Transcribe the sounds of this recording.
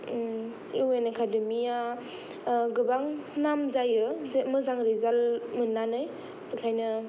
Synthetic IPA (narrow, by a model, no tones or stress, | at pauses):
iwenekʰademia | ɡɯbaŋnamzajɯzeʔmɯzaŋɾizalmɯnːanaj | bɯkʰajnɯ